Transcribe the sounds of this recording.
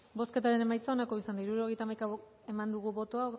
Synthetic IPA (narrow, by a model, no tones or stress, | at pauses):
bo̞sket̪aɾe̞ne̞majt͡sao̞nako̞βisand̪aiɾuɾo̞ɣejt̪amajka | e̞mand̪uɣuβo̞t̪oa